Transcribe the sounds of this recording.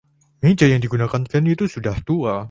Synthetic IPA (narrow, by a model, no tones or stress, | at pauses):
mid͡ʒajaŋdiɡunakankɛnit̪usudaht̪ua